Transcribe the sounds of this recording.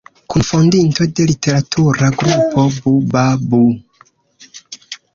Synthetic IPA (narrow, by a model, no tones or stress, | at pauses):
kufundintodeliteɾatʰuɾaɡɾupobubabu